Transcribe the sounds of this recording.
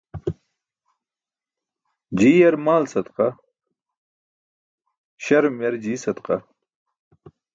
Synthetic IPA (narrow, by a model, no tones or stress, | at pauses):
d͡ʑiːjɐɾmaːlsɐt̪qa | ɕɐɾmjɐɾd͡ʑiːsɐt̪qa